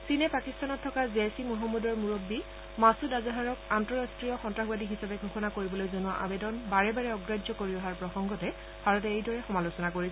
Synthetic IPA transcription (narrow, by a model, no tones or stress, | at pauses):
sinɛpakistanɔtʰːɔkazesimuɦɔmːɔdɔɹmuɹobːi | masudazaɦaɹɔkantɔɹastɹijɔxɔntɹaxbadiɦisabɛɡʱuxʰɔnakoɹibɔlojzɔnuaʔa̰bɛdɔnbaɹɛbaɹɛɔɡɹazɔkoɹiɔɦaɹpɹɔxɔŋɡɔtɛ | bʱaɹɔtɛejdʱɔɹɛxɔmalosɔnakoɹi